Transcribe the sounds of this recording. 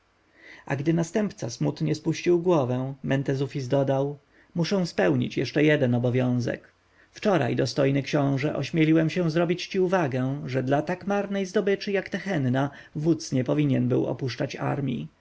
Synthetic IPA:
a̰ɡd̪ɘnast̪ɛmpt̪sasmut̪ɲɛspuɕt͡ɕiwɡwɔvɛ̃mɛnt̪ɛzufʲizd̪ɔd̪aw | muʂɛ̃w̃spɛwɲḭt͡ɕjɛʂt͡ʂɛjɛd̪ɛnɔbɔvʲjɔ̃w̃zɛ̰k | ft͡ʂɔɾa̰jd̪ɔst̪ɔjnɘkɕɔ̃w̃ʐɛʔɔɕmʲjɛlʲiwɛmɕɛ̃zɾɔbʲit͡ɕt͡ɕiuvaɡɛʐɛd̪lat̪akmaɾnɛjzd̪ɔbɘt͡ʂɘjakt̪ɛxɛnːa | vut̪sɲɛpɔvʲiɲɛnbɘwɔ̰puʂt͡ʂat͡ɕa̰ɾmʲjḭ

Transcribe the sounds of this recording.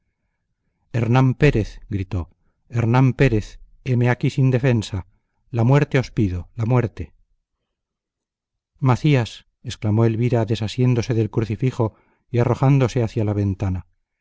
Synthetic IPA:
e̞ɾnampe̞ɾe̞θɡɾit̪o̞ | eɾnampe̞ɾe̞θ | emeakisind̪e̞fe̞nsa | lamwe̞ɾt̪e̞o̞spiðolamwe̞ɾt̪e̞ | maθias | e̞sklamo̞e̞lβiɾaðe̞sasje̞nd̪o̞se̞ðe̞lkɾuθifixo̞ | iaro̞xand̪o̞se̞aθjalaβ̞e̞nt̪ana

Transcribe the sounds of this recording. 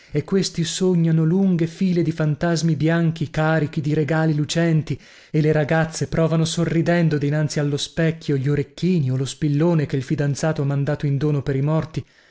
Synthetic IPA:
ekːwest̪isoɲːanoluŋɡefiːled̪ifant̪azmibjaŋk̟ikaːɾik̟id̪iɾeɡaːlilut͡ʃɛnt̪i | eleɾaɡat̪sːepɾɔːvanosorːid̪ɛnd̪od̪inant̪sialːospɛkːjoʎoɾekːiːniolospilːoːnekeilfid̪ant̪saːt̪oamːand̪aːt̪oind̪oːnopeɾimɔrt̪i

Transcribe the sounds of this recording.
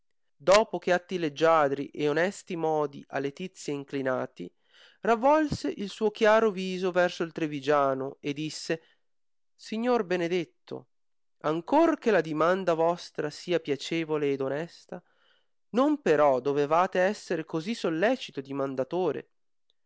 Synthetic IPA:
d̪ɔːpok̟eat̪ːiled͡ʒːaːd̪ɾiʔeonɛst̪imɔːd̪iʔa̰lːet̪it̪sːjeiŋklinaːt̪ḭ | ravːɔlseʔilsuːok̟jaːɾoviːzovɛrsoilt̪ɾevid͡ʒaːnoed̪ːisːe | siɲːorbened̪et̪ːo̰ | aŋkork̟elad̪imand̪avɔst̪ɾasiːapjat͡ʃeːvoleːd̪onɛst̪a | nompeɾɔd̪ovevaːt̪eɛsːeɾekozisolːɛːt͡ʃit̪od̪imand̪at̪oːɾḛ

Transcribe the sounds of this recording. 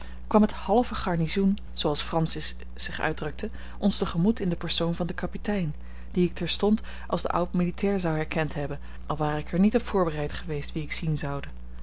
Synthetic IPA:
kʋɑməthɑlˠvəχɑɹnizun | z̥owɑlˠsfrɑnsɪsː | ɪχœ̰ɥdrɵk̚tʰə | ʔɔnstəχəmutɪndəpəɹsownvɑndəkɑpitɛjn | d̥iɪk̚tɛɹstɔnt | ʔɑ̰lˠzdə̰ʔa̰wtmilitɛːɹzɑwɦɛɹkɛntɦɛbən | ʔɑlˠʋaːɾəɪkɛɹnitɔpfʊːɹbərɛjtχəʋejstʋiɪksinzɑwdə

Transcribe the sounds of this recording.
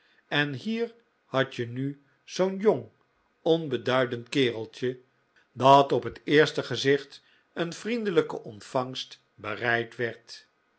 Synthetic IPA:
ɛnɦiːɹ | hɑt͡ʃəny | z̥ownjoŋ | ɔnbədœɥdəntkɪːrəlˠt͡ʃə | dɑtɔpɦətɪːɹstəχəzɪχt | ənfrindələkə̰ʔɔntfɑŋst | bərɛjtʋɛɹt

